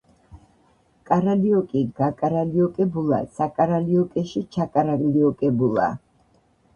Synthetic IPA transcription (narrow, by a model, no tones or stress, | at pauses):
kʼaɾaliɔkʼiɡakʼaɾaliɔkʼɛbulˠa̰sakʼaɾaliɔkʼɛʃit͡ʃʰakʼaɾaliɔkʼɛbulˠa̰